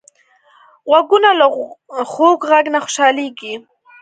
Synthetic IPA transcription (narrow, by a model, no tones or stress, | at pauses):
ɣwaɡunalaxoɡɣaɡnaxʊ̥ʃɑleɡi